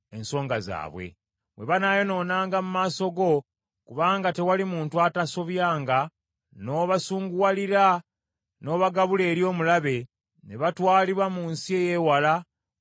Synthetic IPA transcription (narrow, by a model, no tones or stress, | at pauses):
e̞nso̞ːŋɡaza̰ːβwe̞̰ | βwe̞βanajo̞no̞ːnaːŋɡamumaːso̞ɡo̞ | kuβaːŋɡate̞walimuːntuataso̞βjaːŋɡa | no̞βasuːŋɡuwaliɾa | no̞ːβaɡaβule̞ːɾjo̞ːmulaβe̞ | ne̞βatwaːliβwamuːnsieje̞wala